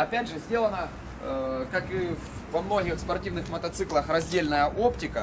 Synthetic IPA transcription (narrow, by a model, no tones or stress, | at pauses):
ɐpʲædʲʐɨzʲdʲe̞lˠənə | kakɨvvɐmno̞ɡʲɪxspɐrtʲivnɨxmət̪ɐt̪sɨklˠəxrɐzʲdʲelʲnəjəʔo̞ptʲɪkə